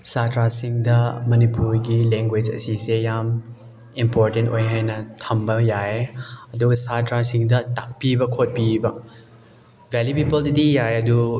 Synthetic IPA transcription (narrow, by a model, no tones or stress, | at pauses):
satɾasiŋdɐmɐnipuɾɡilɛŋɡwed͡ʒɐ̰sisejam | impoɾtentojɦajnɐtʰɐmbɐjaeɐduɡɐsatɾasiŋdɐta̰k̚pibɐkʰot̚pibɐ | vɛlupipəldɐdijajɐdu